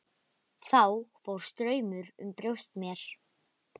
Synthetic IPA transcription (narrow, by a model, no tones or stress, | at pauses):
θawfowɾ̥st̪ɾœːɥmʏɾʏ̰mpɾjowst̪mjɛɾ̥